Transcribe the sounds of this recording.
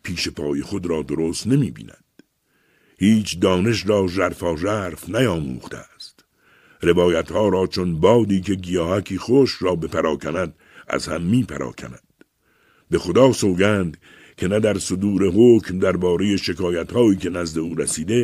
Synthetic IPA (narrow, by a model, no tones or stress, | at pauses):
pʰiːʃe̞pʰɒːje̞xo̞d̪ɾɒːd̪oɾoːst̪nemiːbḭːnæ̰d̪̥ | hiːt͡ʃʰd̪ɒːne̞ʃrɒːʒæɾfɒːʒæɾfnæjɒːmṵːxt̪ʰḛst̪ | ɾe̞bɒːjæt̪hɒːɾɒːt͡ʃʰonbɒːd̪iːkʰe̞ɡijɒːhækʰiːxoʃɾɒːbe̞pʰæɾɒːkʰænæd̪ | æ̰zhæ̰mːiːpʰæɾʔɒ̰ːkʰæ̰næ̰d̪̥ | be̞xo̞d̪ɒːsoːɡæːnd̪ | kʰe̞næd̪æɾsod̪uːɾe̞ɦoːcʰmd̪æɾbɒːɾe̞je̞ʃe̞kʰɒːjæt̪hɒːiːkʰe̞næzd̪e̞uːɾæsiːd̪e̞